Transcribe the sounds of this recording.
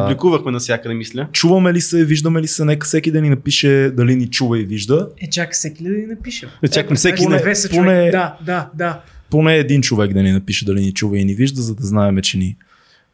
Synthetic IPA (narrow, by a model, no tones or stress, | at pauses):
blikuvəxmɛnɐfsjakəd̪ɛmislʲət͡ʃuvəmɛlisɛviʒd̪əmɛlisɛnɛkəfsɛkid̪ɐninɐpiʃɛd̪ɐlinit͡ʃuvəiviʒd̪əɛt͡ʃaksɛkid̪ɐd̪ɐninɐpiʃəɛt̪ʲjakfsɛkʲinɛvɛsponɛd̪ad̪ad̪aponɛːd̪int͡ʃovɛk̚d̪ɐninɐpiʃɛd̪ɐlinit͡ʃuvəiniviʒd̪əzɐd̪ɐznaɛmɛt͡ʃɛni